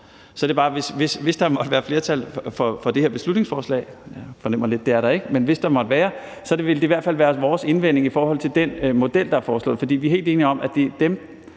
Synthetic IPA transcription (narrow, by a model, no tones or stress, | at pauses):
sɒ̽ɾ̥e̝bɑ̈ːʋe̝sʋe̝sʋe̝sd̥ɑ̈mɒ̽d̥əʋæːɐfle̝ɐt͡sʰælfɒ̽fɒ̽d̥e̝heɐb̥e̝slud̥ne̝ŋsfɒːslɛ̰ɪjafɒ̽nem̰ɐle̝d̥̚ːe̝æɐɾɑ̈e̝ɡ̥əmenʋe̝sd̥ɑ̈mɒ̽d̥əʋæːɐ | sɒ̽d̥eʋe̝ld̥e̝iʋæɐ̥fæl̰ʋæːɐʋɒːse̝nʋen̰e̝ŋifɒːhɒ̽l̰t͡sʰe̝ld̥enmo̝d̥el̰d̥ɑ̈æɐfɒːslɔ̰ð̩ˠfɒ̽d̥ḭːʋiɐɦe̝̰ːld̥e̝ːniɒ̽m̰ʔæd̥ed̥em